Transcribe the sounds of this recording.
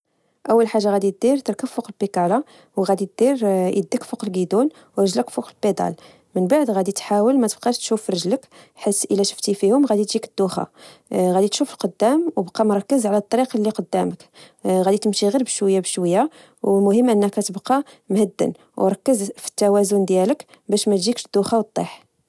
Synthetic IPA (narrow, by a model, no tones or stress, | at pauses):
ʔəwːəlħaʒːaɣæd̪it̪̚d̪iɾt̪əɾˤkəffuqəlbikɑɾˤɑ | wɣæd̪it̪̚d̪̥iɾʔə̰d̪ːəkfuqəlɡid̪un | wɾˤəʒləkfuqəlbed̪ɑ̰l | mənbaʕd̪ɣæd̪it̪ħawəlmæt̪əb̚qɑʃt̪ʃufɾˤɑʒləkħit̪ʔəlæʃə̥ft̪ifihʊmɣæd̪it̪ʒikəd̪̥ːuxa̰ɣæd̪it̪ʃufəlqod̪ːæmwbqɑmʊɾˤɑkːəzʕlæt̪ˤːɑɾiqlːiqod̪ːæmək | ɣæd̪it̪əmʃiɣiɾbəʃwəjːabəʃwəjːa | wmʊhəmːʔənːəkæt̪əbqɑ | mhəd̪ːə̰n | wɾˤɑkːəzfi̥t̪ːæwæzʊnd̪jælək | bæʃmæt̪ʒikʃd̪̥ːuxɑwt̪ˤːeħ